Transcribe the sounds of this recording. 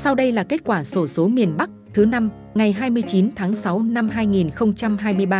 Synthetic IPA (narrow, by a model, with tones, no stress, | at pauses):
sa˧wɗə˧jlaː˨˩ke˦˥t̚kwaː˧˩so˧˩so˨˦mi˨˩ənɓa˦˥k̚t̪ʰɨ˨˦na˧m | ŋa˨˩jɦaː˧jmɨ˧əjt͡ɕi˨˦nt̪ʰaː˨˦ŋsa˨˦wna˧mɦaː˧jŋi˨˩nxə˧wŋ͡mt͡ɕa˧mɦaː˧jmɨ˧əjɓaː˧